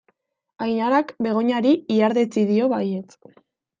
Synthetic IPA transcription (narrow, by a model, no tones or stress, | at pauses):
ajɲaɾakbe̞ɣ̞o̞ɲaɾiiaɾðet͡siðio̞βajet͡s